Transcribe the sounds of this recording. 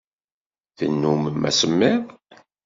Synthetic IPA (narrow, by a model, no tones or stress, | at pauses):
θə̰nːuməmæ̰səmːɪɾ